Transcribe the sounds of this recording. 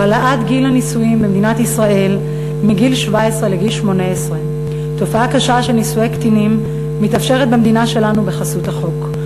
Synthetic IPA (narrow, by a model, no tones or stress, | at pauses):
alaʔatɡilanisuimbemed̪inatisʁaʔe̞l | miɡilʃvaesʁeleɡilʃmo̞neesʁe | to̞faakaʃaʃelnisujekt̪inimː | it̪ɐfʃe̞ʁet̚bemd̪inaʃe̞lanubeχasuthaχo̞k